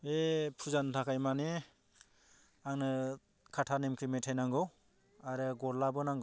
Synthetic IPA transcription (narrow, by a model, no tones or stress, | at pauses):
epʰuzantʰakʰajmane | aŋnɯ | kʰatʰanemkʰimetʰajnaŋɡɯw | aɾɯɡɔɾlabɯnaŋɡɔ